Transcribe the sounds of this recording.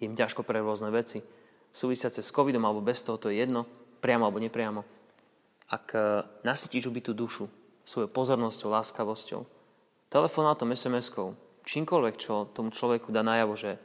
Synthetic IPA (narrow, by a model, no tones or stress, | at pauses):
jɛimcaʃkɔpɾɛɾʊɔznɛʋɛt͡si | suːʋisɪat͡sɛskɔʋid̪ɔmalɛbɔbɛst̪ɔɦɔt̪ɔjɛjɛd̪nɔpɾɪamɔalɛbɔɲɛpɾɪamɔ | aknasiciʒubit̪ud̪uʃu | sʋɔjɔʊpɔzɔɾnɔscɔʊlaːskaʋɔscɔ̰ʊ | t̪ɛlɛfɔnaːt̪ɔmɛsɛmɛskɔʊ | t͡ʃimkɔlʋɛkt͡ʃɔt̪ɔmut͡ʃlɔʋɛkud̪aːnaːjaʋɔʒɛ